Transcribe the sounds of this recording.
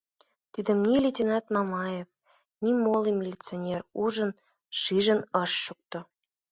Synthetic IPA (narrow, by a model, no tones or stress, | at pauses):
t̪id̪ə̆mnʲilʲetʲinɑt̪mɑmɑjef | nʲimolimʲelʲit͡sonʲeruʒə̆n | ʃiʒə̆nɤʃːuk̚t̪ŏ